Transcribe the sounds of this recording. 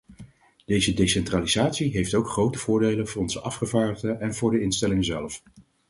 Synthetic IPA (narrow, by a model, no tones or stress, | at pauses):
d̥ejzədejsɛntraːlizaːtsiɦejftowkχrowtəvʊːɹdejlənvʊːrɔnzəʔɑfχəvaːɹdəχdəʔɛnvʊːɹdəɪnstɛlɪŋəzɛlf